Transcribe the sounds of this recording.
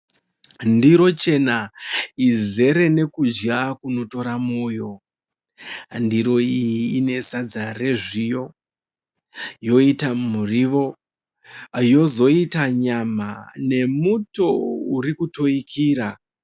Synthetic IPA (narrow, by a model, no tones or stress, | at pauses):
ndiɾo̞t͡ʃe̞naize̞ɾe̞ne̞kud͡ʒɡakuno̞to̞ɾamuːjo̞ | ndiɾo̞ijiiːne̞sad͡zare̞ʐijo̞ | jo̞itamuriʋo̞ | jo̞zo̞itaɲamane̞muto̞uɾikuto̞ikʰiːɾa